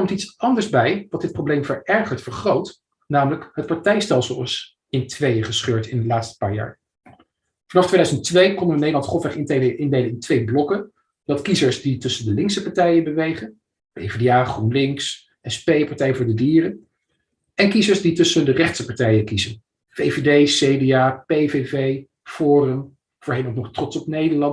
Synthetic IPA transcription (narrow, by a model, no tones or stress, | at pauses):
kɔmtitsɑndəɹzbɛjʋɑt̚dɪt̚prowblejmvəɹɛɹχəɹtfəɹχrowt | naːmələkɦət̚pɑɹtɛjstɛlˠsəlˠɑs | ɪntʋejəχəsχøːɹtɪndəlaːtstə̥pa̰ːɹja̰ːɹ | fɑnɑftʰʋejdœɥzəntʋejkɔnʋənejdəlɑntχɔlˠfʋɛχɪnteʔɪndejlənɪntʋejblɔkə | d̥ɑtkizəɹsditɵsəndəlɪŋksəpɑɹtɛjəbəʋejχən | pḛvedeaːχrunlɪŋks | ɛspejpɑɹtɛjəvʊːɹdədiːrən | ɛnkizəɹsditɵsəndərɛχtsəpɑɹtɛjəkizən | v̥ejvedejsejdeaːpejvevej | fʊːrəm | v̥ʊːɹɦejnonɔχtrɔtsɔp̚nejdəɹlɑn